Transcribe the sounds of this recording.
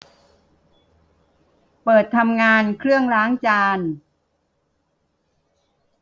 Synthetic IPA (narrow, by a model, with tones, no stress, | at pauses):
pɤː˨˩t̪ʰːa˧mŋaː˧nkʰɾɯ˥˩əŋɾaː˦˥ŋt͡ɕaː˧n